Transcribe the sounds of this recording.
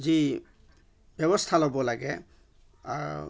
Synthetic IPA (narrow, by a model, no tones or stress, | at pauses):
zi | bʱjɔbɔst̪ʰalɔbɔlaɡɛ | aɹ